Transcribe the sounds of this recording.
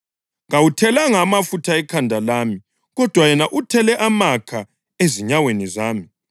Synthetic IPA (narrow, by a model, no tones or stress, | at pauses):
ŋawutʰɛlaŋamafutʰaɛkʰandʱalaːmi | ɣɔd̥ʱwajɛnaʔutʰɛlɛʔamakʰa | eziɲawenizaːmi